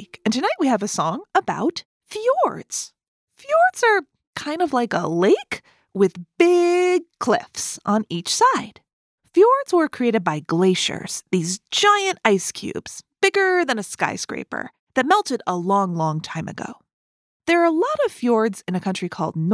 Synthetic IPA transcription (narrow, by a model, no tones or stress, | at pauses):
kɨ̃n̩tʰɨnaɪʔ̚wiɨvɨsɔ̃ŋəba̰ʊt | fjɔɹdz̥ | fjɔɹdz̥ə˞ | kʰãɪ̃ndʌvlaɪkə̰leɪk | wɪðb̥ɪɡ̚kʰl̥ɪ̰fsʔn̩it͡ʃsaɪd̥ | fjɔɹdz̥wə˞kʰɹ̥ieɪɾɨd̚baɪɡleɪʃə̰˞z̥ðizd͡ʒaɪɨ̃ntaɪskʰj̥ʉ̰bz̥b̥ɪɡə˞ðɨ̃nɨska̰ɪskɹḛɪpə̰˞ | ðɨt̚mɛlˠtɨɾəlɔ̃ŋlɔ̃ŋtʰãɪ̃mɨ̰ɡo̰ʊ | ðə˞əlɔɾʌv̥fjɔɹdzɨ̃nɨkʰʌ̃nt͡ʃɹ̥ikʰɔ̰lˠdⁿn